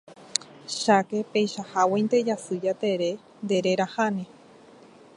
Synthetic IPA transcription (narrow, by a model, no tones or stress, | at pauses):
ʃake̞pejʃahawejnt̪e̞d͡ʒasɨd͡ʒat̪e̞ɾe̞ | nd̪e̞ɾeɾahanẽ